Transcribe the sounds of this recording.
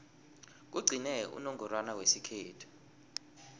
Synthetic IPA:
k̬uɡ͡ǀʱinɛṵnɔŋɡɔrwanawesikʰeːtʰu̥

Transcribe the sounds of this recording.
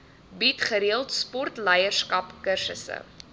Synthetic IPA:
bitχəɾiəlˠtspɔrtlɐjərskɐpkərsəsə̰

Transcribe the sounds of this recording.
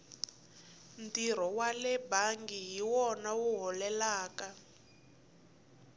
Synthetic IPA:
ntir̤ɔwalɛbaŋɡiɦiwɔnawuɦɔlɛlaːka

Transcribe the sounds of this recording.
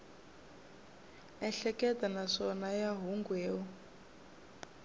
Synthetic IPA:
ɛɬɛkɛtʼanaʂɔnajaɦuŋɡwɛːwɔ

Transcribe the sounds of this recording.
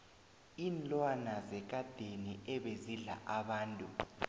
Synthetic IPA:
inlʼwanazɛk̬ad̥ʱeniɛɓeziɮa̰ʔaɓaːntʼu

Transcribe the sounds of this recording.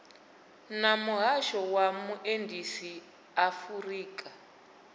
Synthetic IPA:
namuɦaʃɔwamuʔendʱisi | afuriːkʼa

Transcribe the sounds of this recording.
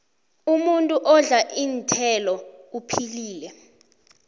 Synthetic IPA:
umuntʼuʔɔɮaʔintʰɛlɔupʰiliːlɛ

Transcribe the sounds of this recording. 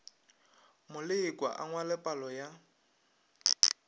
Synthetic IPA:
mʊlɪɪkʼwa̰ʔaŋwalɛpʼalɔja

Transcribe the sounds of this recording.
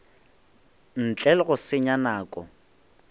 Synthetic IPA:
n̩t͡ɬʼɛlɣʊsɪɲanaːkʼɔ̰

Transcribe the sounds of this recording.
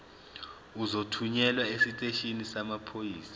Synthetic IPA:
uzotʰuɲɛlwaesitʼeʃinisamapʰojiːsḁ

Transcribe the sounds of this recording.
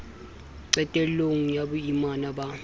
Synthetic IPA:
ǀɛtʼɛloŋ̩jabuimanaba

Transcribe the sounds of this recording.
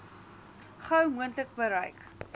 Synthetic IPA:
χɐwmuəntlək̚bəɾɐjk

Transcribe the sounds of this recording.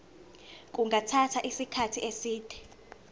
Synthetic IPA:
k̬ʼuŋɡʱatʰatʰaʔisikʰatʰiʔesiːd̥ʱɛ̥

